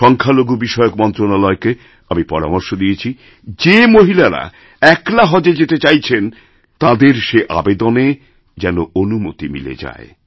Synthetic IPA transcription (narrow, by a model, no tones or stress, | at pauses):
ʃɔŋkʰaloɡubiʃɔeokmɔnt̪ɾonalɔeke | amipɔɾa̰mɔɾʃod̪iet͡ɕʰi | d͡ʑemoɦilaɾa̰ | ɛklaɦɔd͡ʑed͡ʑet̪et͡ɕajt͡ɕʰen | t̪ãd̪eɾʃeʔa̰bed̪one | d͡ʑɛnoonumot̪imḭlḛd͡ʑa̰e